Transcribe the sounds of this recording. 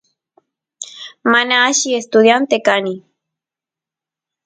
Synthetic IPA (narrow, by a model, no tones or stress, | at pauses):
manaːʃiest̪ʊd̪jant̪ekani